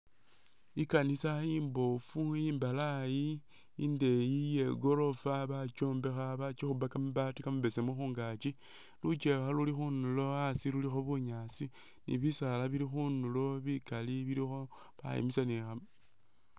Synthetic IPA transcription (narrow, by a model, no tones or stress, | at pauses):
ikanisajiːmbo̞fuiːmbalaji | inde̞jije̞ɡo̞ɾo̞faβat͡ʃo̞ːmbe̞xaβat͡ʃixuβakamuβatikamuβe̞semuxuːŋɡat͡ʃi | lut͡ʃexalulixunulo̞asilulixo̞βuɲaːsi | nḭβisalaβiɾixunulo̞βikaliβiɾixo̞ | βa̰jḛmisanexam